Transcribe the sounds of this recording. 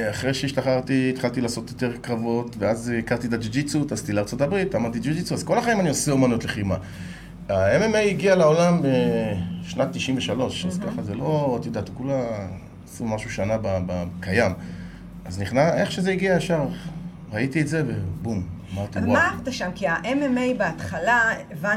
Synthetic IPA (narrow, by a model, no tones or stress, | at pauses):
aχʁejʃeiʃtaχaʁt̪iːt̪χalt̪ilaːso̞t̪jo̞t̪e̞ʁkʁavo̞tveazikaʁt̪it̪ad͡ʒid͡ʒit͡sutast̪ileaʁt͡so̞tabʁitamadt̪id͡ʒud͡ʒit͡suazko̞laχaimanioseomanuot̪leχima | aememejiɡialao̞lambeʃnat̪ːiʃimveʃalo̞ʃazkaχazelo̞ot̪jod̪at̪ukula | sumaʃuʃanababakajam | azniχnase̞χʃezeiɡiaaʃaʁ | ʁait̪ietze̞vebummat̪maaχd̪aʃamkiaʔememejbeat̪χalava